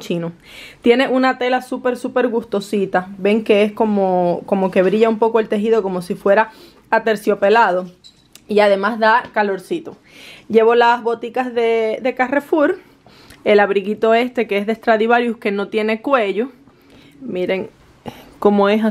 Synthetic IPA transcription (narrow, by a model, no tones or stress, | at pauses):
t͡ʃino | t̪je̞ne̞ʔunat̪e̞lasupe̞ɾsupe̞ɾɣust̪o̞sit̪aβe̞ŋke̞esko̞moko̞mo̞ke̞βɾiʝaumpo̞koe̞lt̪e̞ɦið̞oko̞mo̞sifwe̞ɾa | at̪e̞ɾsjo̞pe̞lað̞o̞ | iaðe̞mazðakalo̞ɾsit̪o̞ | ʝe̞βo̞lazβo̞t̪ikazðe̞d̪e̞kare̞fuɾ | e̞laβɾiɣit̪o̞e̞st̪e̞keesðe̞st̪ɾaðiβaɾjuke̞no̞t̪je̞ne̞kwe̞ʝo | miɾe̞ŋ | ko̞moesa